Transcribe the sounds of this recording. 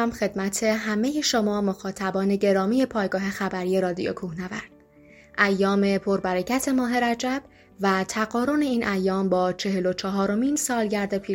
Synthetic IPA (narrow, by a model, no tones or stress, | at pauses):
mxe̞d̪mæt̪ʰe̞ɦæme̞je̞ʃomɒːmoxɒːt̪ʰæbɒːne̞ɟe̞ɾɒːmije̞pʰɒːjɡɒːɦe̞xæbæɾije̞ɾɒːd̪ijo̰kʰuhnævæ̰ɾd̪̥ | ʔæjːɒːme̞pʰo̞ɾbæɾecʰæt̪ʰe̞mɒːɦe̞ɾæd͡ʒæb̥ | væt̪ʰæɣɒːɾone̞iːnʔæjːɒːmbɒːt͡ʃʰe̞ɦe̞lo̞t͡ʃʰɒɦɒːɾo̞miːnsɒːlɟæɾd̪e̞pʰiː